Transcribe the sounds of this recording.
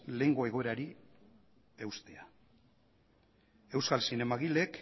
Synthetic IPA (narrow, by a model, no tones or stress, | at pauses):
le̞ŋɡo̞e̞ɣ̞o̞eɾaɾi | ewst̪e̞a | e̞wskalsine̞maɣile̞k